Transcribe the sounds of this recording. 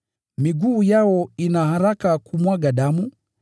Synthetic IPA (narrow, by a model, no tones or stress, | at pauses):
miɡuːjawɔinahaɾakakumwaɡaɗamu